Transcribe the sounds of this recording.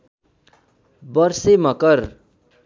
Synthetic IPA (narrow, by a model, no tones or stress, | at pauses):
bʌrsemʌkʌr